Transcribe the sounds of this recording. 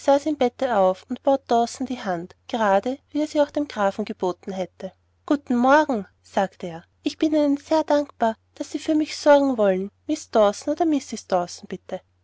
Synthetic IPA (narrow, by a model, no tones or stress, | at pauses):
z̥aːsɪmbɛtəaʊfʊntb̥oːt̚d̥ɔsn̩d̥iːɦantɡ̥əʁaːdəviːeːɐz̥iːaʊxd̥eːmɡʁaːfn̩ɡəb̥oːtn̩ɦɛtə | ɡ̥uːtn̩mɔɐɡŋ̩ | z̥aːktəeːɐ | ʔɪçb̥ɪniːnənzeːɐdaŋkpaːɐ | d̥asːiːfyːɐmɪçsɔɐɡŋ̩vɔlənmɪsd̥ɔsn̩oːdɐmɪsɪsd̥ɔsn̩b̥ɪtʰə